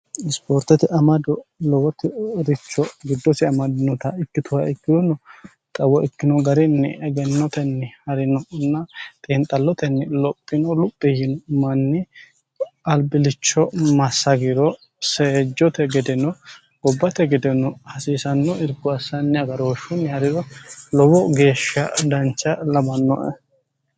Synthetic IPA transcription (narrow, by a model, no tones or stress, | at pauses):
ɪspoːɾt̪ɛt̪ɪʔɐmɐd̪ɔlɔwɔt̪ːɪɾɪt͡ʃːɔɡɪd̪ːɔsɪɐmɐd̪ɪnɔt̪ɐɪkːɪt̪ʊwaɪkːɪd̪ʊnɔ | t̪ʼɐwɔɪkːɪnɔɡɐɾɪnːɛ̰ʔɛɡɛnːɔt̪ɛnːhɐɾɪnɔnːɐt̪ʼiːnt̪ʼɐlːɔt̪ɛnːɛlɔpʼːɪnɔlʊpʼːɪhɪnɔmɐnːɪ | ɐlbɪlɪt͡ʃːɔmɐsːɐɡɪɾɔ | seːd͡ʒːɔt̪ɛɡɛd̪ɛnɔ | ɡ̥ɔbːɐt̪ɛɡɛd̪ɛnɔhɐsiːsɐnːɔɪɾɡʊɐsɐnːɪɐɡɐɾoːʃʊnːɛhɐɾɪɾɔlɔwɔɡe̞ːʃːɐ̰d̪ɐnt͡ʃːɐlɐbɐnːɔ̰ʔɛ̰